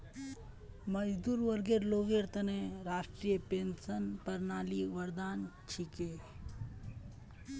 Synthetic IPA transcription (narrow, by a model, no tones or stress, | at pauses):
məd͡ʒd̪uːɾʋəɾɡeɾloːɡeɾt̪əneɾaːsʈɾijəpensənpəɾnaːliʋəɾd̪aːnt͡ʃʰike